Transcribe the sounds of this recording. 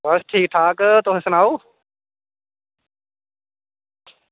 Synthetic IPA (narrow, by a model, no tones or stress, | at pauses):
bəsʈʰiːk̚ʈʰaːkt̪oɦɪ̃sənaːoː